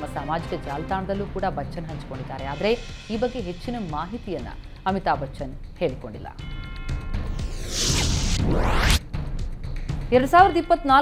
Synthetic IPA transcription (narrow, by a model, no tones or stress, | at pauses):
mːɐsaːmaːd͡ʒikɐd͡ʒaːlɐt̪aːɳɐd̪ɐlːuːkuːɽɐbɐt͡ʃːt͡ʃːɐnɦɐɲt͡ʃi̥ko̞ɳɖid̪ːaːɾe̞aːd̪ɐɾe̞ | iːbɐɡːe̞ɦet͡ʃːinɐmaːɦit̪ijɐnːɐ̰ | ɐmit̪aːbɐt͡ʃt͡ʃːɐn | he̞ːɭiko̞ɳɖḭlːɐ̰ | ɛɾɐɽusaːʋiɾɐd̪ɐipːɐt̪ːnaːl